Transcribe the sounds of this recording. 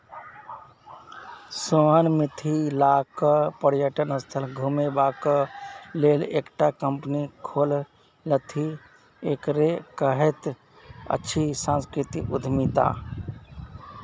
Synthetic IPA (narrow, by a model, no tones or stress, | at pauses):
soənmɪt̪ʰilaːkəpəɾjəʈənəst̪ʰəlɡʱumebaːkəleːleːkʈakəmpnikʰoːl | lət̪ʰi | eːkɾekəɦet̪ | ə̰ːʃʰisãːnskɾɪt̪iʔʊd̪ʱmit̪a̰ː